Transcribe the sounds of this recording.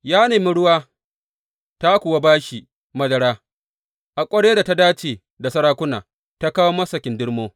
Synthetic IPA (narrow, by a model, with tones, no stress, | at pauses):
jaː˦neː˨mi˦ɽʊ˦waː˦ | ta˦kʷʊ˨wa˦baː˦ʃi˨ | mɐ˦dɐ˨ɽaː˦ | ʔa˨kʷʼɐ˦ɽeː˦da˨ta˦daː˦t͡ʃeː˨ | da˨sɐ˦ɽaː˦kʷʊ˦na̰ː˨ | ta˦kaː˦woː˦mɐ˦sɐ˨kʲɪ˨ndɪ˦ɽmoː˦